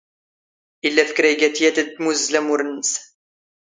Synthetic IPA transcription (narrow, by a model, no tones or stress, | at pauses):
ʔɪlːæfə̥kɾæɡæt̪ijæt̪ət̪ːmuzlæmʊɾənːəs